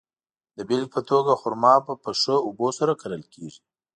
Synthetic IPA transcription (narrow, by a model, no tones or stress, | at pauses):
d̪əbelpət̪ʰoɡaxʊɾmɑpəpəʂəubosaɾakʰaɾəlkʰeʒi